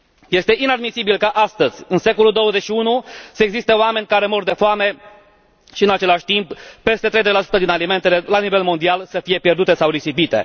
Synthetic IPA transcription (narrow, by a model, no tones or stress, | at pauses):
je̞st̪e̞ʔinad̪misibilkaʔast̪əzʲɨnse̞ko̞luld̪o̞wəze̞ʃiunusəeɡzist̪eoame̞nʲkaɾe̞mord̪e̞foame̞ | ʃiɨnat͡ʃe̞laʃʲt̪imppe̞st̪e̞t̪ɾezelasu̥t̪əd̪inalime̞nt̪e̞le̞lanive̞lmo̞nd̪ialsəfije̞pje̞rd̪ut̪e̞sawɾisipit̪e̞̰